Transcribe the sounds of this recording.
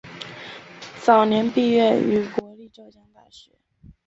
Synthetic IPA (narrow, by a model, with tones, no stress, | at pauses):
t͡sɑ˨˩ʊnjɛ˧˥npi˥˧ɥɛ˥˩ny˧˥kwɔ˧˥li˥˧ʈ͡ʂo˥˩ʊt͡ɕjɑ˥ŋt̪a˥˩ɕɥɛ̰˧˥˦